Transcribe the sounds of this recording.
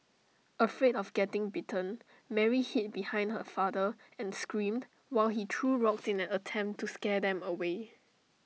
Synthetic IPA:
əfɹedɔfɡɛtɪ̃ŋbitʰə̃n | mɛɹihit̚bihãɪj̃ndhəfadə | ɛ̃nskɹĩmd | waɪlhitʰɹuɹɔksɪ̃nɛ̃nətʰɛ̃mptʰːuskɛdɛ̃məwe

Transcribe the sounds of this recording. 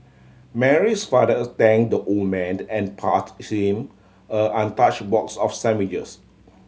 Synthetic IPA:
mɛɹisfadətɛ̃ŋdəʔolmɛ̃nɛ̃npʰa̰thĩm | əʔãntat͡ʃbɔksɔfsɛ̃mid͡ʒəs

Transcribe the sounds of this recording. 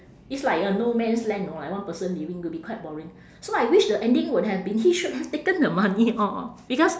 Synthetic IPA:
itslaɪkənomɛ̃nslɛ̃ŋnolaɪk̚wãnpəsə̃nliwĩŋwibikwaɪt̚bɔɹĩŋ | soajwiʃdəʔɛ̃ndĩŋwud̚hɛvbĩnhiʃut̚hɛftekə̃ndəmaniʔɔb̥ikɔs

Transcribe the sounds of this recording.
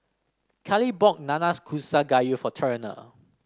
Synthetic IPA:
kʰɛlibɔk̚nãnaskʰusaɡajufɔtʰɛɹəna̰

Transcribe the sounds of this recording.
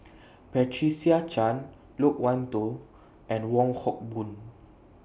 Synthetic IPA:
pɛtʰɹisiat͡ʃãn | lok̚wãnto | ʔɛ̃nwɔ̃ŋhɔk̚bũn

